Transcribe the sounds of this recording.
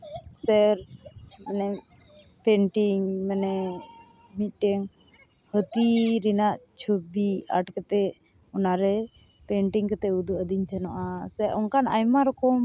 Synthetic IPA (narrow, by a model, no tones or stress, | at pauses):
sɛɾmɛnɛ | pɛɳʈiŋmɛnɛ | mit̪̚ˀʈɛŋ | hət̪iɾinaʔt͡ʃʰubia̰ʈkɛt̪ɛ | ɔnaɾɛpɛɳʈiŋkɛt̪ɛud̪uəd̪iɲt̪ʰɛnɔʔasɛʔɔnkanajmaɾɔkɔm